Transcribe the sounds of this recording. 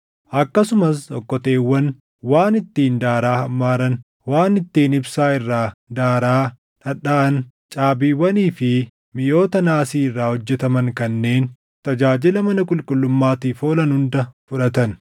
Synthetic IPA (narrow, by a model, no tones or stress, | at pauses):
ʔɐkːɐsʊmɐsɔkːɔt̪e̞ːwːɐn | waːnɪt̪ːiːnd̪aːɾaːhɐmːaːɾɐn | waːnɪt̪ːiːnɪbsaːɪrːaːd̪aːɾaː | ᶑɐᶑaːɐn | t͡ʃʼaːbiːwːɐniːfɪ | mɪjo̞ːt̪ɐnaːsiːɪrːaːhɔd͡ʒːɛt̪ɐmɐŋkɐnːe̞ːn | t̪ɐd͡ʒaːd͡ʒɪlɐmɐnɐkʼʊlkʼʊlːʊmːaːt̪iːfoːlɐnhʊnd̪ɐfʊᶑɐt̪ɐn